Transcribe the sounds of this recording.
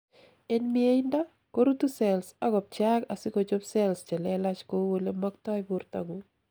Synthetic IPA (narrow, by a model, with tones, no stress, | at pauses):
e˦nmɪe˦ɪ˦nda˦ | ko˦ɾu˦t̪u˦sɛ˨lsa˦ɡɔ˨b̚t͡ʃaka˨sɪ˦ko˨d͡ʒo˦bsɛ˦lst͡ʃɛ˨lɛ˦la˦t͡ʃko˦wo˦le˦mɔ˦kt̪ɔ˦i˦bu˦ɾta̰ɡu